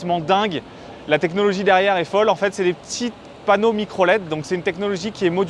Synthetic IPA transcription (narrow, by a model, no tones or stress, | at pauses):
tmɑ̃d̪ɛ̃ɡ | lat̪ɛknɔlɔʒid̪ɛʁjɛʁɛfɔlɑ̃fɛt̪sɛd̪epət̪ʰi | panomikχɔlɛt̪̚d̪ɔ̃ksɛt̪ynt̪ɛknɔlɔʒikʲiɛmɔd̪